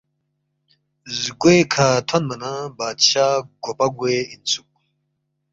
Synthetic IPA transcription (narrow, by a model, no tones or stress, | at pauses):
zɡuekʰaːt̪ʰɐnmɐnabaːd̪ɕaːɡopɐɡweinsuk̚